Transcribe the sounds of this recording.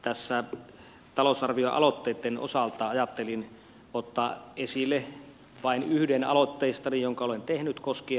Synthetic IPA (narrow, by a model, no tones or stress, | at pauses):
t̪æsːæ | t̪ɑlosɑrʋioʔɑ̰lot̪ːeˑːt̪ːeno̰sɑlt̪ˑɑːɑjɑt̪ːelin | ot̪ːɑːʔesilːˑe | ʋɑinyhdenɑ̰lot̪ːeːst̪ɑnijjoŋkɑolent̪ehnyt̪koski